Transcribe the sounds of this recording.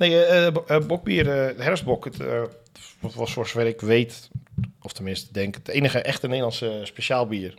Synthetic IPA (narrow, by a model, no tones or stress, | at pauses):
neː | bɔk̚biːərhɛrs̚bɔkt | ʋɔtʋɔsosʋɛrɪkʋeːt | ɔftənmɪnstədɛŋkdeːnəxəʔɛxtəneːlˠɑnsəspeʃaːlˠbiːr